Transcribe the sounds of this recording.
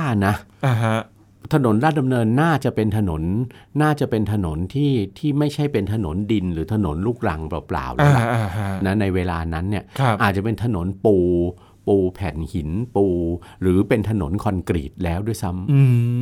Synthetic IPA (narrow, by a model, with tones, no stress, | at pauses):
aː˥˩na˦˥a˧ɦa˦ | t̪ʰa˧no˩˦nɾaː˥˩t̪̚da˧mnɤː˧nːaː˥˩t͡ɕa˨˩ʔpe˧nt̪ʰa˧no˩˦nːaː˥˩t͡ɕa˨˩pe˧nt̪ʰa˧no˩˦nt̪ʰiː˥˩t̪ʰiː˥˩ma˥˩jt͡ɕʰa˥˩jpe˧nt̪ʰa˧no̰˩˦ndi˧nɾɯː˩˦t̪ʰa˧no̰˩˦nluː˥˩k̚ɾa˧ŋbɔ̰˨˩pla̰ː˨˩wla˨˦la̰˨˧˩ʔa˧˦na˦˥na˧jweː˧laː˧na˦˥nːi˥˩ɐkʰʔaː˨˩t͡ɕa˨˩pe˧nt̪ʰa˧no˩˦npuː˧ | puː˧pʰɛ˨˩nhi˩˦npuː˧ɾɯː˩˦pe˧nt̪ʰa˧no̰˩˦nkʰɔ˧nkɾḭː˨˩t̪̚lɛː˦˥wdu˥˩əjsa˦˥mɯː˧